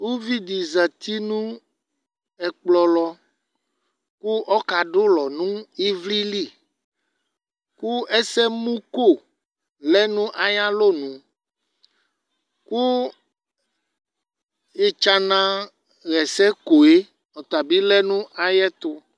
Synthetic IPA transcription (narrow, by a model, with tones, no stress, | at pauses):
wu˦vi˦d̪i˨za˨t̪i˦nũ˦ | ɛ˨k͡plɔ˨lɔ˦ | ku˦ʔɔ˦ka˨ɖo˦lɔ˨nũ˦i˦vli˦li˦˨ | ku˦ɛ˦sɛ˦mũ˦ko˦˨ | lɛ˦nũ˦ʔa˨ja˦lo˦nũ˨ | ku˦ | e˦t͡ʃa˦nã˦ | ɣɛ˨sɛ˦ko˨e˦ | ɔ˨t̪a˨bi˦lɛ˦nũ˦ʔa˨jɛ˦t̪ʊ˦